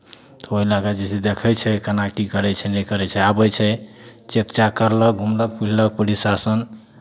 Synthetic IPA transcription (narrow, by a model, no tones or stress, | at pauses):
t̪ɔoilakad͡ʒisid̪ekʰɛjt͡ʃʰɛkənakikəɾɛt͡ʃʰɛnɛkəɾɛt͡ʃʰɛabəjt͡ʃʰɛt͡ʃekt͡ʃakəɾlək̚ɡʱumlək̚pullək̚pulisasən